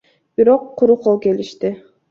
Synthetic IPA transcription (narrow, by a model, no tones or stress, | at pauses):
b̥iɾoqʰːʊɾuqʰolˠkʲe̞liʃt̪ɪ